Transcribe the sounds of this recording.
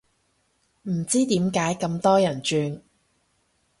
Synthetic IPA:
m̩˨˩t͡siː˥t̪iː˨˥mkaː˨˥jkɐ˧mt̪ɔː˥jɐ˨˩nt͡ʃyː˧n

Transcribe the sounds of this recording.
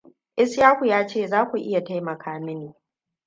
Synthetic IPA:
ʔɪ˦sjaː˦hʷu˨jaː˦t͡ʃeː˦˨zaː˦kʷu˨ʔɪ˦ja˨ta˦jmɐ˨kʰaː˦mɪ˦neː˨

